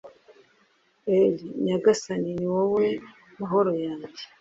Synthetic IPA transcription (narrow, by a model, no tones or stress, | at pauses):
eliɲaɡasaniniwowe | maɦoɾojaːɲɟe